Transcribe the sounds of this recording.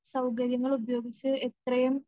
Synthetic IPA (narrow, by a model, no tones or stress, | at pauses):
sɐwkɐɾjɐŋːɐɭubɐjo̞ːɡit͡ɕːɨet̪rɐjɐm